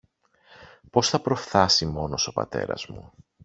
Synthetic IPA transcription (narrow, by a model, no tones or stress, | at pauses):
po̞sθɐpɾo̞fθɐsimo̞no̞so̞pɐ̰t̪e̞̰ɾɐ̰zmṵ